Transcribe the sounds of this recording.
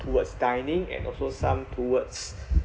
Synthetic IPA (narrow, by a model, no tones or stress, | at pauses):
tʰuwətsdãjnĩŋɛ̰̃nɔ̰lsosãmtʰuwəts